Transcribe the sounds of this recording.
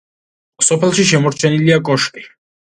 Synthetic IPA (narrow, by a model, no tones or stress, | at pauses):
sɔpʰɛlˠʃiʃɛmɔɾt͡ʃʰɛniliakʼɔʃkʼi